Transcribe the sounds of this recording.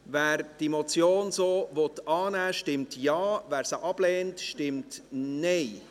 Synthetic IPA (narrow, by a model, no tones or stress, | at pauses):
væːɾd̥emɔt͡sjoːnsoːʋɔtɑːnæːʃtɪmtjɑːvæːɾsəʔɑb̥lɛːntʃtɪmtneɪ